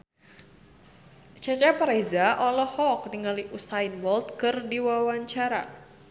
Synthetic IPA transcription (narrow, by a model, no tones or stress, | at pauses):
t͡ʃat͡ʃapaɾezaʔɔlɔhɔk̚niŋaliʔusainwɔlt̪̚kɨrdiwawaɲt͡ʃaɾa̰